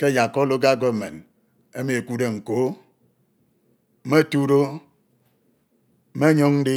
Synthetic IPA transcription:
ke˦˨ja˨kɔ˦lo˦k̬a˦˨k̬o˦˨mḛ˨n | e˦me˨e˨ku˦de˦˨ŋ̩˨ko˨˦ | m̩˦me˦˨tu˦ɾo˦ | m̩˦me˦ɲo˦ŋn̩˦di˦

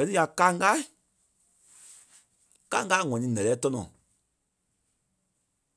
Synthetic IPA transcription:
ɜ˨tɨ˦ja˨ka˧˦ŋɡa˦ | ka˦ŋɡa˦ŋɔ̃˨nĩ˨˦nɛ̃˨lɛː˨˦tɔ˦nɔ̰̃˨

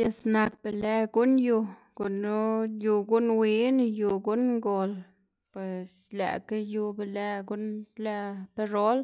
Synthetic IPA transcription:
je˧sna˧k̚be˧˨le˧ɡu˦nju˧ | ko˨nu˦ju˧ɡu˦nwi˦n˧ju˧ɡu˦nŋɡo˨l | pwe˨s | la̰˨ka˦ju˧be˨le˧ɡu˦nla˧pe˧ʐo˦l

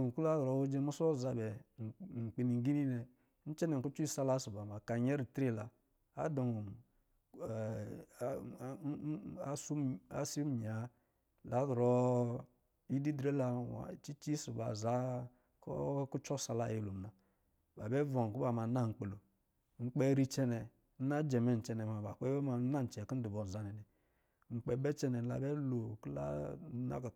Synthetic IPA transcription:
o˨ku˦la˦ɣɔ˨˦wo˦d͡ʒe˦mu˦sɔ˦˨za˨bɛ˨ŋ͡m̩˨k͡pe˨ni˨ŋ˨ɡi˦ni˦nɛ˨ | n̩˦t͡ʃɛ˦nɛ˨ŋ˨ku˦t͡ʃu˦i˦sa˦la˦su˨ba˨ma˨ka˨ɲɛ˦ɾi˨tɾe˦˨la˨ | a̰˦dɔ˨ŋ˨˦ | a˦su˦a˦si˦m˨ɲ˨a˨˦ | la˨˦ɡɾɔ˦ | i˦di˦dɾe˦la˨wa̰˨t͡ʃi˦t͡ʃi˦si˨ba̰˨za˦ | kɔ̰˦ku˦t͡ʃɔ˦sa˨la˦˨ji˨lo˨m˨na˨ | ba˨bɛ˦vɔ˨ŋ˨ku˦ba˨ma˨˦na˦˨ŋ͡m̩˨k͡pe˨lo˨ | ŋ͡m̩˦k͡pɛ˦ɾi˦t͡ʃɛ˦nɛ˨ | n̩˦na˦d͡ʒɛ˨mɛ˨n̩˨t͡ʃɛ˦nɛ˨ma˨ba˨k͡pɛ˦ɛ˦ma˨˦a˦˨n̩˨t͡ʃɛ˨ki˦n̩˦di˨bɔ˨n˨za˨˦ni˨ni˨ | ŋ͡m̩˨k͡pɛ˦bɛ˦t͡ʃɛ˦nɛ˨n˨la̰˨bɛ˦lo˨kla̰˦na̰˦k

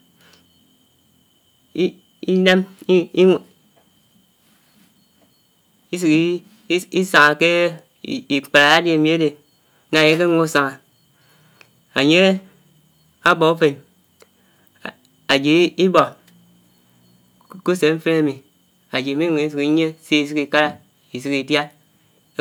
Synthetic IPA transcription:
i˦ne˦m˦ | i˦s̬i˨k | i˦sa˨ŋa˨ke˦˨ | i˨k͡pa˨ɾa˨a˦de˨mi˨a˦de˨˦ | na˨je˦ke˦ŋo˦sa˨ŋa˨ | a˨ɲe˦ | a˦bo˨u˦fe˨n | a˨d͡ʒi˨i˦bo˨˦ | ku˦se˨˦m̩˦fe˦na˦mi˨ | a˨d͡ʒi˨mi˦ŋu˨i˦s̬i˨ki˨˦ɲe˦se˦i˨sɨ˦ki˨ka˦ɾa˦ | i˨s̬ɨ˨ki˨dja˦

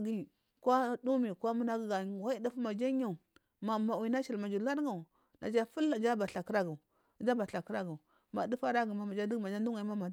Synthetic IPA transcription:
ɡi˦˨ | kwa˦du˦mi˨kʷa˦mu˦na˦ɡi˦ɡa˨wa˦i˦di˦fma˨d͡ʒa˦ɲa˦˨u˨ | ma˨ma˨wi˨˦na˦ʃi˨lma˨d͡ʒu˨la˦dŋɡa˨u˨ | na̰˨d͡ʒa˦fu˦la˨d͡ʒa˦ba˨ɬa˨ki˦ɾa˦ɡa˨ | d͡ʒa˦ba˨ɬa˨ki˦ɾa˦ɡa˨u˨ | ma˨di˦fa˦ɾa˦ɡi˨ma˨ma˨d͡ʒa˦di˦ɡma˨d͡ʒa˦du˦ŋa˨˦ma˦ma˨˦

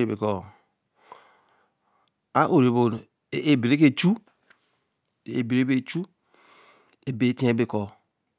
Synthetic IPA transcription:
e˨bḛ˨kɔ˨ | a˦ʔo˨ɾe˨bo˨ | e˦bi˨ɾe˦ke˦˨t͡ʃu˦ | ḛ˨bi˨ɾe˦be˦˨t͡ʃu˦ | e˨be˨˦ti˦e˦be˨kɔ˨

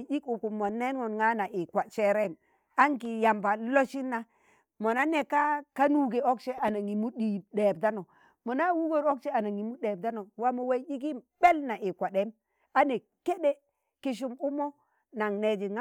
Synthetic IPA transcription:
d͡ʒi˦ku˨ku˨mːo˨nːe˦nŋo˨nŋa˦na˨ʔi˨kʷa˨t͡ʃe˦ɾe˦˨m | a˦ŋki˨ja˨mba˨lo˦ʃi˦nːa˦ | mo˨na˦ne˨ka˦ka˦nu˦ɡe˨o˦kt͡ʃe˦a˨na˨ŋi˨mu˦ɗi˨ɗe˨bda˦no˨ | mo˨na˦wu˦ɡo˦ɾo˦kt͡ʃe˦a˨na˨ŋi˨mu˦ɗe˨b̚da˦no˨wa˦mo˨we˦d͡ʒi˦k̬i˦mbe˦lna˨ʔi˨kʷa˨de˦m | a˦ne˨ | ke˦ɗe˦ | ki˨ʃ̬u˦mu˦mo˦ | na˨ŋne˨d͡ʒi˨ŋa˦

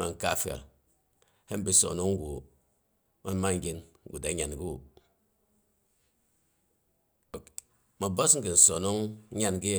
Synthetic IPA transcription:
ma˨ŋ̩˨ka˦˨fa̰˨ | he˦m̩˦bi˨˦so̰˨no˦ŋ˦ɡu˨ | ma˦n˦ma˦ŋ̩˦ɡʲe˦nŋ̩˦ɡu˨da˨˦ɲa˨nɡi˦u˨ | ma˨bo˦sŋ̩˦ki˨n̩˨so˨no˦ŋ̩˦ɲa˦nɡi˦˨

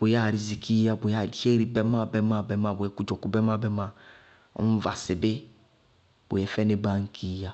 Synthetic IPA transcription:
bo˨ja˦˨ɾi˨zi˨ki˦ja˦bo˨ja˦˨i˨˦e˦ɾi˨bɛ˦ma˦˨bɛ˦ma˦˨bɛ˦mã˨bo˨ɛ˨˦ku˦d͡ʒɔ˨ku˦bɛ˦ma˦˨bɛ˦ma˦˨ | ɔ̰˦m̩˦va˨sɪ˨bɪ˦ | b̥o̰˨jɛ˨fɛ˦ne˦ba˦ŋ̩˦kʰi˦ja˦

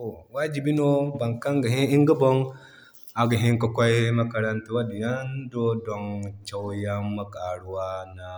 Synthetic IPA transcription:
o˨wa˦d͡ʒi˨bi˦no˦ba˨ŋka˦ŋɡa˨ɦi˦i˦ŋɡə˦bo˦ŋ | a˨ɡa˨ɦi˦ŋka˨kʷa˦ji˦ma˦ka˨ɾa˦ntu˦wa˦di˨ja˦ndo˦do˨ŋt͡ʃa˨wja˦ma˦ka˨ɽu˨wa˦na˨

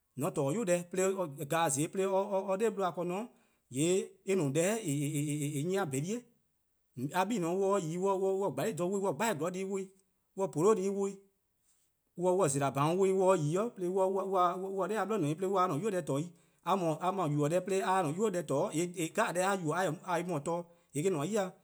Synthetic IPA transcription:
nɔ̃˨˦tɔː˨˦jo˦dɛ˧˦pe˦le˧˦ɔ˧˨ɡaː˨zeː˨˦pe˦le˦ɔ˧ɔ˧ɔ˧de˦ɓlo˧˦a˧˨kɔ˧nɔ̃˨˦ | jeː˨˦e˦nũ˨dɛː˨˦e˨e˨ɲĩ˦ã˧be˨li˦e˦˨ | a˧ɓiː˦nɔ̃˨˦wɔ˧˦˧jiː˨˦wɔ˧wɔ˧wɔ˧˦˨ɡ͡ba˨liː˦˨dɔ̃˨˧˨wo˧˦ĩ˦wɔ˧˨ɡ͡ba˦i˦˨ɡɔ˨˦iː˧˦wo˧˦ĩ˦ | wɔ˧˨po˨lo˦diː˨˦wo˧˦i˦ | wɔ˧wɔ˧˨ze˨ɾa˨bã˨˦˧wo˧ĩ˧wɔ˧jiː˨˦ɔ˦ple˧˦wɔ˧wwa˧wɔ˦wɔ˧˦ɛː˦a˧ɓɔ˦nɔ̃˨ĩ˨˦p̬le˧˦wa˧nɔ̃˨ju˦ɛ˧˦tɔː˨˦i˦ | a˧mɔ̃˨ʔa˧mã˨ju˨ɔ˨dɛː˦ple˧˦a˧˦nɔ̃˨ju˦o˦dɛ˧˦tɔː˨˦e˨˦˨ɡa˦a˨dɛː˨˦a˧˦ju˨ɔ˨a˧˨a˧i˧˦mɔ̃˨tɔː˦ | je˨k̬e˦nɔ̃˨˦ji˦a˧˦

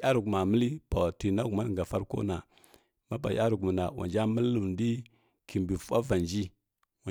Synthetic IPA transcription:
a˦ɾu˨ɡma˨mə˦li˦pa˨ti˨na˦ku˨ma˦n˨ŋ˨ɡa˨fa˦ɾko̰˦na˨ | ma˦ba˨ja˦ɾu˨ɡmu˨na˨wʔa̰˨nd͡ʒa˦mə˦lːu˨m˨ndi˦ | ki˨mbi˨fu˦a˦va˨nd͡ʒi˦ | wa˨

